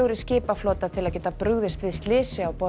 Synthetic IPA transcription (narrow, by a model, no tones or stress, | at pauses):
owɾɪscɪːpafloːt̪at̪ʰɪlaðcɛːt̪apɾʏɣðɪst̪vɪðst̪lɪːsɪawpɔ